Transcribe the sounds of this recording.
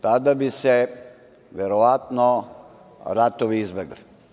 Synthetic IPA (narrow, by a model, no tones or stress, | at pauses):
t̪aːd̪ɐbise | ʋeɾɔʋaːt̪nɔ | ɾat̪ɔʋiːzbeɡəl